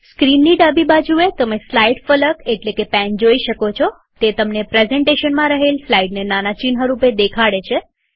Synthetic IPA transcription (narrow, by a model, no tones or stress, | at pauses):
skɾinːiɖabibad͡ʒuet̪əmeslaiʈfələkeʈlekepɛ̃nd͡ʒoiʃəkot͡ʃʰo | t̪et̪əmnepɾezɛɳʈeʃənmãɾəɦelslaiɖnenanat͡ʃinɦəɾuped̪ekʰaɽet͡ʃʰe